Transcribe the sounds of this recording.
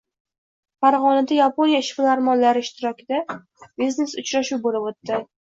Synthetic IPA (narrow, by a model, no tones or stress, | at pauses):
faɾʁɒnad̪ajaponijaʃfɪlaɾmɒnːaɾɪɪʃt̪ɪɾɒkʲʰɪd̪a | bizne̞sʊt͡ʃɾaʃuwbolɪbot̪ːɪ